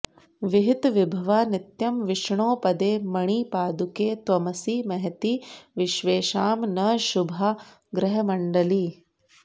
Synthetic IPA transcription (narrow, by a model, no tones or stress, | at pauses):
ʋiɦit̪ʋibʱɐʋanit̪jɐmʋɪʂɳoːpɐd̪eːmɐɳiːpaːd̪ukeːt̪ʋɐmɐsiːmɐɦɐt̪iʋɪʃʋeːʃaːmnɐʃubʱɐ | ɡɾɐɦɐmɐɳɖɐli